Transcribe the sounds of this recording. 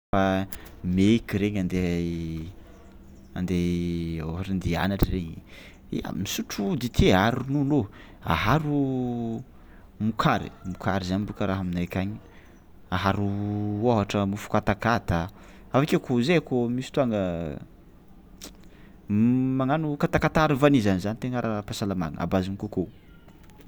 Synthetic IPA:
famekiɾeɲand̪e | and̪eoɦaʈ͡ʂand̪ia̰naʈ͡ʂəreɲi | ḛa̰misuʈ͡ʂud̪it̪ʰeaɾununo | a̰ɦaɾu | mukʰaɾḭmukʰaɾizaɲbukəɾaɦaminakʲaɲi | aɦaɾuoɦaʈ͡ʂəmufu̥kat̪akat̪a | avakekozeakomisi̥t̪uaŋə | maŋanukat̪akat̪aaɾivanizanizanit̪eŋaɾapasalama̰ŋəa̰bazinikoko

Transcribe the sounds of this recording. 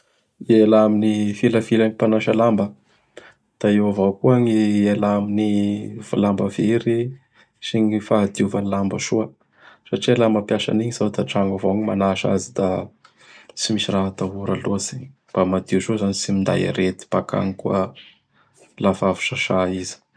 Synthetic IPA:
ielaminifiləfilanipanaʃalambə | d̪̥aewavawkuaɲielaminiva̰lambəveɾi | siɲifaad̪iuvanilambəʃuə | saʈ͡ʂialambapjasa̰niɲizad̪aʈ͡ʂaŋɡavoaɲimanaʃa̰zid̪a | t͡simisiraɦat̪aɦuɾaloziɲi̥ | b̥amad̪iuzozanit͡simind̪a̰ja̰ɾet̪i̥paka̰ŋikuə | lafavu̥ʃaʃaizi̥

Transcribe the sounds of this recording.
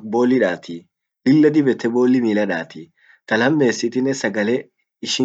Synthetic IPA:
bo̞ːlːɪᶑaːt̪i | bɪlːɐd̪ɪbɛt̪ɛbo̞ːlːɪmiːlɐᶑaːt̪i | t̪ɐlɐmːe̞ːsːɪt̪ɪnɛsɐɡɐle | ɪʃɪ

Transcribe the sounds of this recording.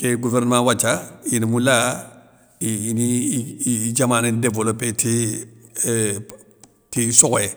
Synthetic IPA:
keɡuvɛɾnɛmãwat͡ʃainimũla | iːni | d͡ʒamãːnĩdevolopeti | tisɔɡɔjɛ

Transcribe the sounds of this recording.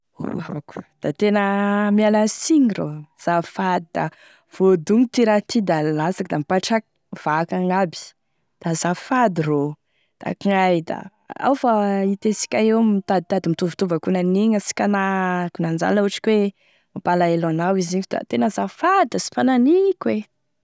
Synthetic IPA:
o̰avaku̥d̪̥at̪enəmialasiŋro̰z̥afad̪id̪̥a̰ | v̥od̪uŋit̪iɾat̪id̪alasakid̪amipaʈ͡ʂak | v̥akaŋabi̥ | d̪̥azafad̪iro | d̪̥a̰kŋajd̪a̰ | a̰wfait̪esi̥kʲaewmit̪ad̪it̪ad̪imit̪uvit̪uvakunaniŋasi̥kanakunand͡ʒa̰nlauʈ͡ʂi̥kwe | mapalaelanawiziɲd̪a̰t̪enəzafad̪asi̥pananiikwe

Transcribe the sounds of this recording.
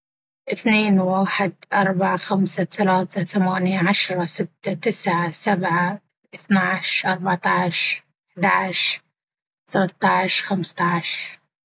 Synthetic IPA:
ʔɪθneːnwaːħɪd̪̚ʔɑɾˤbaʕaxamsaθalaːθaθamaːnjaʕaʃɾˤɑsɪt̪ːat̪ɪsʕasabʕa | ɪθnaʕʃʔɑɾˤbaʕt̪ɑʕʃ | ħd̪aʕʃ | θalat̪ˤːɑʕʃxamst̪ɑʕʃɾ

